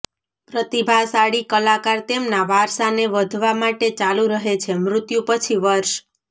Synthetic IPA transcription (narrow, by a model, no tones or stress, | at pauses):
pɾət̪ibʱasaɽikəlakaɾt̪emnaʋaɾsaneʋəd̪ʱʋamaʈet͡ʃalũɾəɦet͡ʃʰemɾʊt̪jũpət͡ʃʰiʋəɾʃ